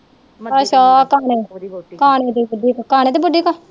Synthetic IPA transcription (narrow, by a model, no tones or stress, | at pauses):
əʃaːkaːneːkaːneːt̪eːbəɖiːkakaːneːt̪eːbəɖiːka